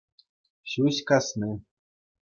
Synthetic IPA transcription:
sʲusʲkasnɨ

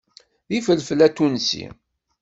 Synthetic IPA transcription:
ðifəlfəlæt̪ːunsḭ

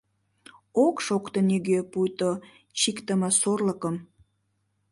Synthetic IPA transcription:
okʃokt̪oniɣøpujt̪o | t͡ɕikt̪əmɑsorləkəm

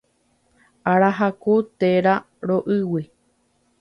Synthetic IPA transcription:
aɾaɦakut̪eɾa | ɾoʔɨwi

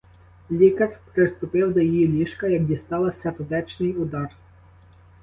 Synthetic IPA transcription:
lʲikɐrpɾɪst̪ʊpɪwd̪ɔjijilʲiʃkɐjɐk̚d̪ʲist̪ɑlˠɐsʲɐt̪ɔd̪ɛt͡ʃnɪjʊd̪ɑr

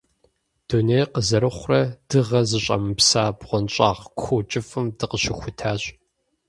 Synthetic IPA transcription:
d̥unejqəzɐɾɨχʷrɐd̥ɨʁɐzɨɕʼɐ̰mɨpsaːbʁʷɔnɕʼa̰ːʁkʷʰot͡ʃʼɪfɨmdɨqəɕɪxʷʊtʰaːɕʼ

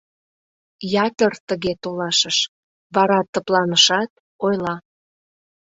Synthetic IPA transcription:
jɑt̪ərt̪əɣet̪olɑʃəʃ | βɑɾɑt̪ːəplɑnəʃɑt̪̚ | ojlɑ

